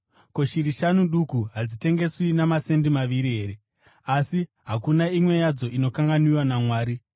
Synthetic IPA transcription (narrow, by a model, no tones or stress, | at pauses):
ko̞ʃiriʃanuɗukuɦad͡zite̞ŋɡe̞swinamase̞ndimaʋiɾiɦe̞ɾe̞ | asi | ɦakunaimwe̞jad͡zo̞ʔino̞kaŋɡaniwanamwaːɾi